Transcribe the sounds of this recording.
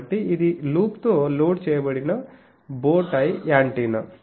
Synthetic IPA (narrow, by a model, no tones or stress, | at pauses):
ʈːiːd̪iluːkt̪oloːɖt͡ʃɛːjɐbɐɽinɐ | boːʈaːjijaːɳʈinɐ